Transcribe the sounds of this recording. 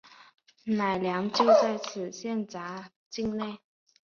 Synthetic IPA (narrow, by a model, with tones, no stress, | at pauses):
na˨˩ɪljɑ˧˥ŋt͡ɕjo˥˧ʊt͡sa˥˩ɪt͡sʰɹ̩˨˩ɕjɛ˥˨nt͡sa˧˥ | t͡ɕi˥˧ŋne˥˩ɪ